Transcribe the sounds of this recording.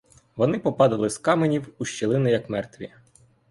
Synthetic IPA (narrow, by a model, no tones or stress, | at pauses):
ʋɔnɪpɔpɑd̪ɐlˠɪskɑmenʲiwuʃt͡ʃelˠɪnɪjɐkmɛrt̪ʋʲi